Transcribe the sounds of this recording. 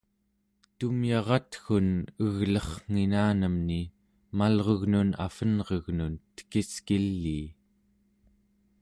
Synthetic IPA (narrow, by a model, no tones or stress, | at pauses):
t̪umjɑʁɑt̪xunəɣlʌχŋ̥inaːnəmni | malʁoɣnuna̰fənʁeɣnunt̪ə̥kiskilːiː